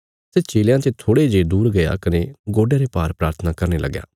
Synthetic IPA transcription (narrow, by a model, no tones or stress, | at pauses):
set͡ʃiːljãt͡ʃet̪ʰoːɽed͡ʒeːd̪uːɾɡɐja̰kɐneɡoːɖjãːɾepaːɾpɾaːɾt̪ʰənakɐɾnelʔɐ̰ɡja̰ː